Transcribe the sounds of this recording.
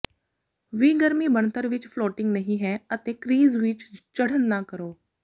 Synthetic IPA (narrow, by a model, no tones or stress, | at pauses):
ʋĩːɡəɾmiːbəɳt̪əɾʋɪt͡ʃpʰloːʈɪ̃ŋɡnəɦĩːɦɛːət̪eːkɾiːzʋɪt͡ʃt͡ʃəɽ̤ənːãːkəɾoː